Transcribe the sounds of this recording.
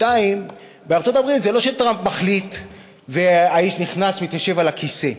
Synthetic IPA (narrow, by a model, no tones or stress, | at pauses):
taim | beaʁt͡sot̪abʁit̪zelo̞ʃelt̪ʁampmaχlit̪ | veaiʃniχnasmit̪jaʃe̞valakʰise̞